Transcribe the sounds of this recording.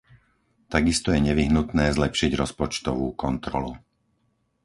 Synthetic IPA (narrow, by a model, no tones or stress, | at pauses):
t̪aɡist̪ɔjɛɲɛʋiɦnut̪nɛːzlɛpʃiɟɾɔspɔt͡ʃt̪ɔʋuːkɔnt̪ɾɔ̰lu